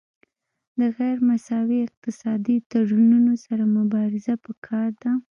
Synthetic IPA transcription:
d̪əɣajɾmasɑwiɪq̚t̪ɪsɑd̪it̪aɽununosaɾamʊbɑɾɪzapəkʰɑɾd̪a

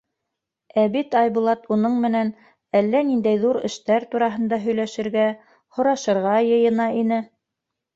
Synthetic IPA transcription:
æβit̪ɑjβulˠɑt̪unɤɴmɘ̆næn | ælːænind̪æjðuɾɘ̆ʃt̪æɾt̪uɾɑɦɤ̆nd̪ɑɦɵ̆jlæʃɘ̆ɾɡæ | hŏɾɑʃɤ̆ɾʁɑjɤ̆jɤ̆nɑʔinɘ

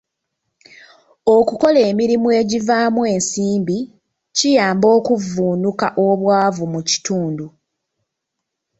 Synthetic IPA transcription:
o̞kuko̞le̞ːmiɾimwe̞ɟivaːmwe̞ːnsiːmbi | cijaːmbo̞ːkuvːuːnukaʔoβwaːvumuci̥tuːndu

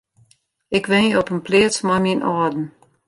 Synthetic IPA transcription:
ɪkʋɪnəɔpənplɪət͡smaminɔːdn̩

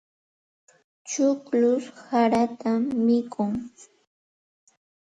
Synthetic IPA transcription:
t͡ʃʊklʊshaɾat̪aːɪkʰʊŋ

